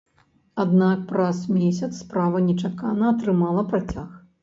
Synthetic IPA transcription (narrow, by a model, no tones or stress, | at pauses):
ad̪nak̚pɾɐsmʲesʲɐt̪sːpɾavɐnʲɛt͡ʂakanɐːt̪ɾɨmalˠɐpɾat͡sʲax